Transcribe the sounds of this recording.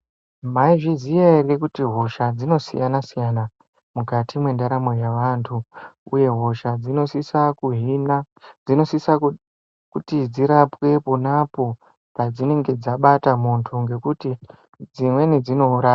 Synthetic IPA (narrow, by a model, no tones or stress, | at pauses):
maiʐizijairekutiɦo̞ʃad͡zino̞sḭjanasijana | mukatʰimwe̞ndaɾamo̞jaʋantʰuṵje̞ɦo̞ʃad͡zinosisakuɦina | ino̞sisa | kutid͡ziɾapwe̞ponapo̞ | pad͡zine̞ŋɡe̞d͡zaɓatamontʰuŋɡe̞kuti | d͡zimwe̞nid͡zino̞uɾaːa